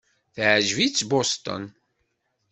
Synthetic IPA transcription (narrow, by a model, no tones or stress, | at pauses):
θʕʒvit͡sːbost̪ə̰n